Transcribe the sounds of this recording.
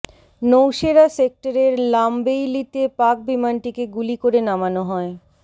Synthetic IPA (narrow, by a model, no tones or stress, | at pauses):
nowʃeɾasek̚ʈaɾeɾlambejlit̪epak̚bimanʈikeɡulikoɾenamanoɦɔe